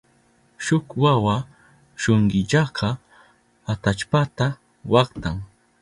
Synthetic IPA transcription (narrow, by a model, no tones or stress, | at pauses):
ʃʊkwawa | ʃoɴɢɪʎɑqʰɑ | at̪at͡ʃpat̪a | wɑχt̪aŋ